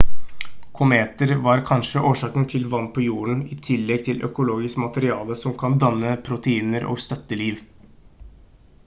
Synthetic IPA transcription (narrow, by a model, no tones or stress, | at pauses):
kʰʊmeːt̪əɾʋɑːɾkʰɑnʂəʔoːʂɑːkənt̪ʰɪlʋɑnt̪̚pʰɔjuːəɳ̩ɪt̪ʰɪlːɛɡ̚t̪ʰɪlʔœ̰kʊloːɡɪskmɑt̪əɾɪɑːləsɔmkʰɑnd̪ɑnːəpʰɾʊt̪əiːnəɾo̰ːɡst̪œt̪ːəliːʋ